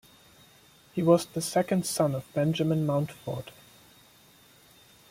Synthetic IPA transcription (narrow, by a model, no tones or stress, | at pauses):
hiwʌzðəsɛkə̃nd̥sʌ̃nʌvbɛ̃nd͡ʒəmə̃nmãʊ̃ntfɔɹd̥